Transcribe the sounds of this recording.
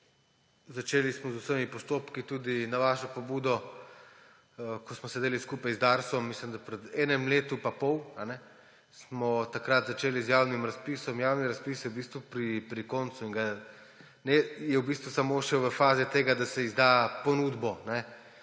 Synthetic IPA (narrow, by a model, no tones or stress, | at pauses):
zat͡ʃeːlismɔzusəmipɔst̪opkit̪uːd̪inaʋaːʃɔpɔbuːd̪ɔ | kɔsmɔsɛd̪eːliskuːpajzd̪aɾsɔmːislimd̪apɾɛd̪ɛːnɛmleːt̪upapɔwanɛ | smɔt̪akɾat̪zat͡ʃeːlizjaːwnimɾaspiːsɔmjawniɾaspiːswbist̪ʋupɾipɾikont̪suiŋɡa | nɛjɛwbist̪ʋusamoʃɛʋəfaːzɛt̪eːɡad̪asɛizd̪apɔnuːd̪bɔnɛ